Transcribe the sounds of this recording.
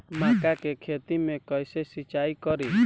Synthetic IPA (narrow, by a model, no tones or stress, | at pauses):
makakekʰet̪imẽkɔjsesit͡ʃajkɔɾi